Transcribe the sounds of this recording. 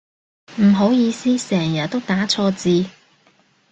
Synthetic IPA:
m̩˨˩ɦo˨˥wjiː˧siː˥sɛː˨˩ŋjɐ˨t̚t̪o˥wt̪aː˨˥t͡sʰɔː˧t͡siː˧

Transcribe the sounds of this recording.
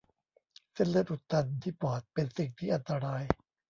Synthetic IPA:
se˥˩nlɯ˥˩ət̪ʔu˨˩t̪ːa˧nt̪ʰiː˥˩pɔː˨˩t̪̚pe˧nsi˨˩ŋt̪ʰiː˥˩ʔa˧nt̪a˧ɾaː˧j

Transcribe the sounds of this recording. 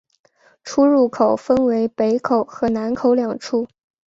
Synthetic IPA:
ʈ͡ʂʰu˥ɻu˥˩kʰo˨˩ʊfə˥nwe˧˥ɪpe˧˥ɪkʰo˨˩ʊxɤ˧˥na˧˥nkʰo˨˧˥ʊljɑ˨˩ŋʈ͡ʂʰu˥˩

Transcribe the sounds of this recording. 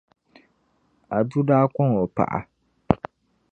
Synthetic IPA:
a˨du˦daː˦kɔ˦ŋo˨pa̰˨ʔa̰˨

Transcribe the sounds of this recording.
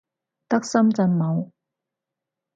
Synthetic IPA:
t̪ɐ˥k̚sɐ˥mt͡sɐ˧nmɐ˨˧w

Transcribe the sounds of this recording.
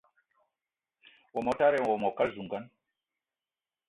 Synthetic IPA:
wɔ˨mɔ˨ta˦ɾɛ˨nwɔ˨mɔ˨ka˦lzu˨ŋɡa˦n

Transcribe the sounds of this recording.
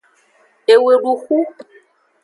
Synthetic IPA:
e˨we˨ɖu˨xu˦

